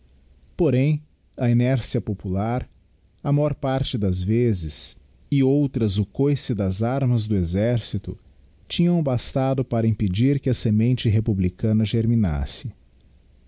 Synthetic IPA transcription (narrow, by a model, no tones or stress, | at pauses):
poɾẽj̃ | ɐinɛɾsiɐpopulaɾ | ɐmajɔɾpaɾt͡ʃɪd̪ɐzvezɪs | ɪowt̪ɾɐzʊkojsɪd̪ɐzaɾmɐzd̪ʊezɛɾsit̪ʊ̰ | t͡ʃĩɲɐ̃w̃bast̪ad̪ʊpaɾɐĩped͡ʒiɾkɪɐsemẽnt͡ʃɪɦepublikɐ̃nɐʒeɾmĩna̰sɪ